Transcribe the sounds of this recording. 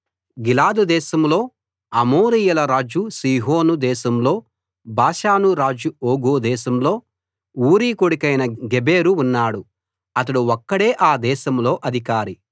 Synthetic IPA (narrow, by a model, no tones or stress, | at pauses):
ɡilaːd̪ud̪ɛːʃɐmlo̞ː | ɐmoːɾijɐlɐɾaːd͡ʒusiːɦoːnud̪ɛːʃɐmlo̞ː | baːʃaːnuɾaːd͡ʒuoːɡoːd̪ɛːʃɐmlo̞ː | uːɾiːkoɽikɐjnɐɡebeːɾuːnːaːɽu | ɐt̪̬ɐɽuɔkːɐɽe̞ːʔaːd̪ɛːʃɐmlo̞ːʔɐd̪ʱikaːɾi